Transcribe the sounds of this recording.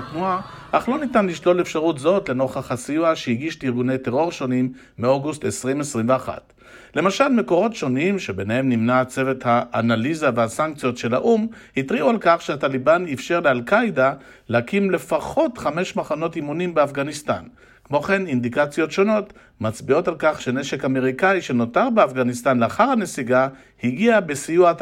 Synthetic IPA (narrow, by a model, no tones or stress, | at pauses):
t̪nuaʔaχlo̞nitanliʃlo̞lefʃaʁutzo̞tlenoχaχasijuaʃehiɡiʃtiʁɡune̞jte̞ʁo̞ʁʃo̞nimː | ioɡust̪esʁimesʁimveaχa̰t | le̞maʃalme̞ko̞ʁo̞tʃo̞nimʃebe̞nehe̞mnimnat͡se̞vet̪haːnalizavehasaŋk̚t͡sijo̞tʃe̞laʔum | hit̪ʁiʔualkaχʃeatalibanifʃe̞ʁlealkajda | lehakimle̞faχo̞tχame̞ʃmaχano̞timunimbeafɡanist̪a̰n | kmo̞χe̞nind̪ikat͡sjo̞tʃo̞no̞t̪ | mat͡sbio̞talkaχʃe̞ne̞ʃe̞kame̞ʁikaiʃe̞no̞taʁbeafɡanist̪anleaχaʁhane̞siɡa | hiɡiabesijua